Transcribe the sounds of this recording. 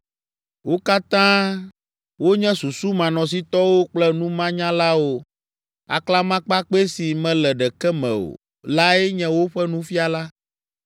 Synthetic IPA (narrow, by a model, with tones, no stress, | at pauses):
wo˦ka˦t̪ã˦ | wo˦ɲɛ̃˦su˨su˦mã˨nɔ̃˨s̬i˦t̪ɔ˦wo˦k͡plɛ˦nũ˦mã˦ɲã˦la˦wo˨ | a̰˨kla˦mã˦k͡pa˦k͡pe˦si˨mɛ̃˨lɛ˨ɖɛ˨kɛ˦mɛ̰̃˨o̰˨ | la˦ɛ˦ɲɛ̃˦wo˦ɸɛ˦nũ˦fi˦a˨la˦